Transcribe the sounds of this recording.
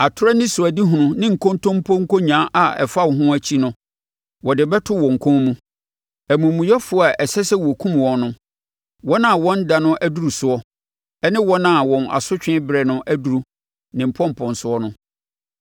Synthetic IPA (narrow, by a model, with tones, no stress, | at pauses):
a˨tʰʊ˦ɾɛ˦nɪ̃˦sʊ˨æ˨di˦ɦũ˨nʊ̃˦nɪ̃˦ŋ̩˨kʰõ˦ntʰɔ̃˦m̩˦pʰɔ̃˦ŋ̩˦ko˦ɲã˨˦ʔa˨ɛ̰˨fa˦˨wɔ˨ɦʊ̃˦æ˦t͡ɕʰi˦nʊ̃˦ | wɔ˨dɪ˨bɛ˦tʰʊ˦wɔ̃˨ŋ̩˨kʰɔ̃˦mũ˦ | æ˨mũ˨mũ˨jɛ˦fʊ˨˦˨a˨ʔɛ˨sɛ˦sɛ˦wɔ˨kʰũ˦mwɔ̃˨nʊ̃˦ | wɔ̃˦nã˦˨wɔ̃˦n˦da˨nʊ̃˦ʔæ˦du˦ɾu˨sʊ˨ɔ˦ | ɛ˦nɪ̃˦wɔ̃˦nã˨wɔ̃˨na̰˨sʊ˦t͡ɕᶣɪ̃˦bɾɛ˨nʊ̃˦ʔæ˦du˨ɾu˦ | nɪ̃˨m̩˨pʰɔ̃˦m̩˨pʰɔ̃˨n˨sʊ˨ɔ˦nʊ̃˦